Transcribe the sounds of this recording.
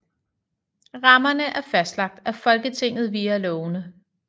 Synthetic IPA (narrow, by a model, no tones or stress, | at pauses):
ʁɑ̈mɐnəʔæɐfæsd̥lɑ̈ɡ̥̚d̥æfɒ̽lɡ̥ət͡sʰe̝ŋ̰ð̞̩ˠʋiːɐlɔʊnə